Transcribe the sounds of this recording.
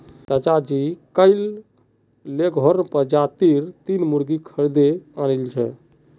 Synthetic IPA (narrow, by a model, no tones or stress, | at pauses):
sat͡ʃad͡ʒikəɪl | leɡʱɦɔɾnpəɾd͡ʒat̪iɾt̪inmuɾɡikʰəɾd̪eanəlt͡ʃʰɛ̰